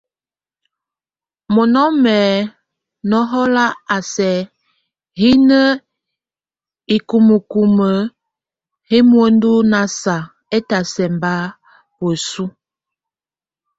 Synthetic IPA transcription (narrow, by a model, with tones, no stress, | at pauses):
mo˨nɔ˦mɛː˨ | nɔ˦ɦɔ˦la˦a˨sɛ˨ | hi˦nə˦ | i˨ku˨mu˨ku˨mə˨ | he˦mwo˦n˦du˦na˨sa˨ | e˦ta˨sɛ˨mba˦ | wo˨su˦